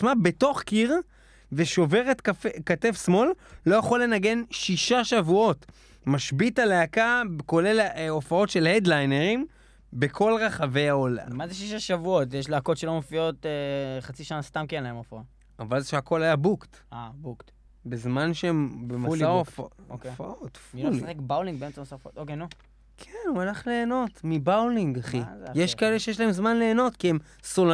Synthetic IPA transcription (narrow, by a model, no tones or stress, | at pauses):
mabe̞to̞χkiʁ | veʃo̞ve̞ʁetafekatefsmo̞lːo̞jaχo̞le̞naɡe̞nʃiʃaʃavuo̞t | maʃbitaleakabko̞lelofao̞tʃe̞lhed̪lajneʁim | be̞kʰo̞lʁaχave̞jaola̰mazeʃiʃaʃavuotjeʃleakotʃelomofio̞teχat͡siʃanast̪amkenlaemofaot | avalzʃeako̞lajabukt | abukt̪ | bezmanʃeembemasaofaofaot̪fmiluolsaχekbawliŋɡ̚beemt͡samasaofot̪okenu | kʰenualaχle̞ːno̞tmibawliŋɡaχijeʃkaeleʃejeʃ̬laemzmanle̞ːno̞tkiem | sol